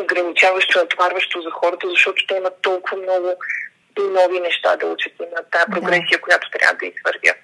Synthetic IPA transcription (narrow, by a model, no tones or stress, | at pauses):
oɡɾɐnit͡ʃavəʃt̪ʊɛt̪vaɾvəʃt̪ozɐxɔɾət̪əzɐʃt̪ɔt̪ʊ̥t̪ɛimət̪ːɔlˠkʊvəmnɔɡʊ | nɔvinɛʃt̪a̰d̪ɐut͡ʃət̪imɐt̪aɛpɾoɡɾɛsijəkojat̪ʊ̥t̪ɾʲja̰vəd̪ɐisvəɾvʲə̰